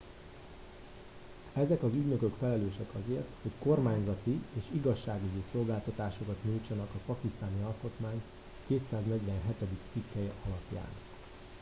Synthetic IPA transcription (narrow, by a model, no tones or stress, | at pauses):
ɛzɛkɒzyɟnø̞køkfɛlɛløːʃɛkɒzeːrt̪ho̞cko̞rmaːɲzɒt̪ieːʃiɡɒʃːaːɡiɟiso̞lɡaːlt̪ɒt̪aːʃo̞kɒt̪ɲult͡ʃɒnɒkɒpɒkist̪aːniɒlko̞t̪maːɲ | keːt̪saːznɛɟʋɛnɦɛt̪ɛd̪ikt̪sikːɛjɛɒlɒpja̰ːn